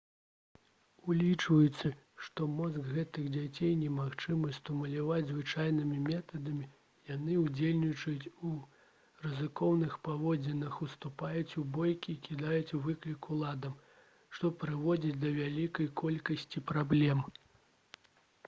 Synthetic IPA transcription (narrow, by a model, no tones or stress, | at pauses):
ulʲit͡ʂvɐjut̪sːɐ | ʂt̪ɔmɔzɡɣɛt̪ɨɣd͡zʲat͡sʲejnʲɛmaxt͡ʂɨmɐst̪umɐlʲavad͡zʲzvɨt͡ʂajnɨmʲimʲɛt̪ɐd̪ɐmʲi | janɨud͡zʲelʲnʲit͡ʂɐjut͡sʲu | rɨzɨkɔwnɨxpavɔd͡zʲɛnɐxust̪upajut͡sʲubɔjkʲiːkʲid̪ajut͡sʲuvɨklʲikulˠad̪ɐm | ʂt̪ɔpɾɨvɔd͡zʲit͡sʲd̪ɐvʲalʲikɐjkʰɔlʲkɐsʲt͡sʲipɾablʲɛm